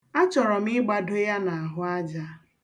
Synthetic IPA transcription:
a˦t͡ʃɔ˨ɾɔ˨m̩ɪ˦ɡ͡ba˨do˦ja˦na˨a˨ɦʊ˦a˦d͡ʒa˦

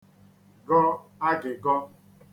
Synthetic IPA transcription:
ɡɔ˦a˦ɡɪ˨ɡɔ˦

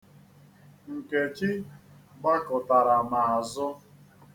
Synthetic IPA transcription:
ŋ̩˨ke˨t͡ʃi˦ɡ͡ba˦kʊ˨ta˨ɾa˨ma˨a˨zʊ˦

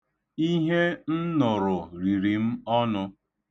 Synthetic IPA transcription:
i˦ɦe˦n̩˦nʊ˨ɾʊ˨ɾi˨ɾi˨m̩˦ɔ˦nʊ˦

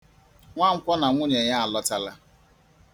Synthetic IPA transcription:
ŋʷa˦ŋ͡m̩˦kʷɔ˦na˨ŋʷʊ˦ɲe˨ɲa˦a˨lɔ˦ta˦la˦

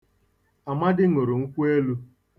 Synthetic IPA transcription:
a˨ma˦dɪ˦ŋo˨ɾo˨ŋ̩˦kʷu˦e˦lu˦

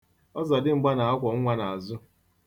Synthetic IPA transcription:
ɔ˦za˨dɪ˦ŋ͡m̩˨ɡ͡ba˦na˨a˦kʷɔ˨ŋ̩˦ŋʷa˦na˨a˨zʊ˦

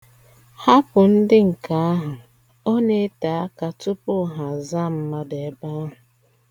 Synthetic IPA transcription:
ha˦pʊ˨n̩˦dɪ˦ŋ̩˨ka˦a˦ɦʊ˨ | o˦ne˦ta˨a˦ka˨tʊ˦pʊ˦ɦa˨za˦˨m̩˦ma˦de˨˦ba˦ɦʊ˨

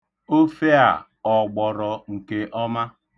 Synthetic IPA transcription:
o˦fe˦a̰˨ | ɔ˨ɡ͡bɔ˨ɾɔ˨ŋ̩˨ke˦ʔɔ˦ma˦

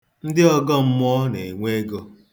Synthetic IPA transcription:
n̩˦dɪ˦ɔ˦ɡɔ˦m̩˦m˦ɔ˦ne˨ŋʷe˦ɡo˦

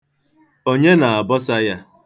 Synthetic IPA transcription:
o˦ɲe˦na˨a˨bɔ˦sa˦ja˦

